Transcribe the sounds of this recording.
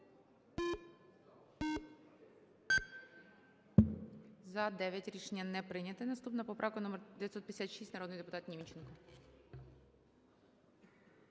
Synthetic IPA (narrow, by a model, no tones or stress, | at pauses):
zɐd̪ɛʋʲjɐtʲɾʲiʃenʲːɐnɛpɾɪnʲɐt̪ɪnɐst̪upnɐpɔpɾʔɑwkʊnɔmɛrd̪ejɐt̪sɔt̪pʲjd̪esʲat̪ʃisʲnɐɾɔd̪njd̪epʊt̪ɑt̪nʲimʲit͡ʃɛnkɔ